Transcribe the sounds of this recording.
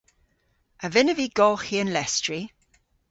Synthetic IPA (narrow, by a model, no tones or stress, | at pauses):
əvɪnəviɡ̥ɔlˠxiə̃nlɛstɹ̥i